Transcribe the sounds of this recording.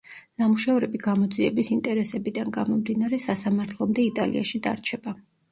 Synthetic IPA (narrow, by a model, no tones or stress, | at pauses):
namuʃɛvɾɛbiɡamɔd̪ziɛbisint̪ʼɛɾɛsɛbid̪anɡamɔmd̪inaɾɛsasamaɾt̪ʰlˠɔmd̪ɛit̪ʼalḭa̰ʃid̪a̰ɾt͡ʃʰɛba